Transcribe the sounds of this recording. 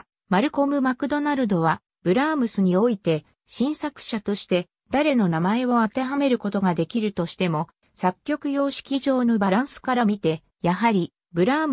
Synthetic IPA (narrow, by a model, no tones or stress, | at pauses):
maɾɯ̟ko̞mɯ̟makɯ̟d̪o̞naɾɯ̟d̪o̞βa | b̥ɯ̟ɾaːmɯ̟sɨɲ̟io̞it̪e̞ | ɕĩɰ̃sakɯ̟̥ɕat̪o̞ɕi̥t̪e̞ | d̪̥aɾe̞no̞namae̞βo̞at̪e̞ɦame̞ɾɯ̟ko̞t̪o̞ɡad̪e̞kʲiɾɯ̟t̪o̞ɕi̥t̪e̞mo̞ | sakʲːo̞kɯ̟jo̞ːɕi̥kʲiʑo̞ːnobaɾãɰ̃sɨ̥kaɾamʲit̪e̞ | jaɦaɾʲi | bɯ̟ɾaː